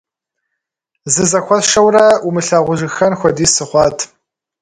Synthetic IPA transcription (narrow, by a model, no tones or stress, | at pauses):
zɨzɐxʷɔʃɐwrɐumɨɬaːʁʷʊʒɨxɐnxʷɔdiːsɨχʷɑːtʰ